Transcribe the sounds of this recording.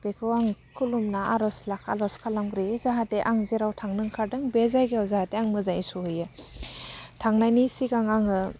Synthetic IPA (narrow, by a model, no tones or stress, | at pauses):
bekʰɯwaŋkʰulumnaʔaɾɔslakʰa̰lɔskʰalamɡɾizaɦateʔaŋzeɾawtʰaŋnɯŋkʰaɾdɯŋbezajɡeawzahateaŋmɯzajsuhɯjɯ | tʰaŋnajnisiɡaŋaŋɯ